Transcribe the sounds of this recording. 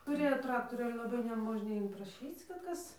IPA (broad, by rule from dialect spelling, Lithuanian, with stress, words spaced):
tʊˈrʲeːjoː ˈtrɑːktoːrʲuː ˈɑːlʲɛ lˠɐˈbɐɪ nʲɛˈmoːʒʲnʲɛ ɪnprɐˈʃʲiːt͡s kɐt ˈkɐs